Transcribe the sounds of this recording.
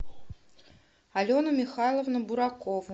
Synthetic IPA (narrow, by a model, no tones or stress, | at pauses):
alʲonɐmʲixajlˠəvnɐbuɾakɔvu